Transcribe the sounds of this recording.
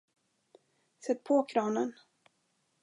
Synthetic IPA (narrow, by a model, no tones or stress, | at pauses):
sɛt̪̚ːpʰɔkʰɾɑːnən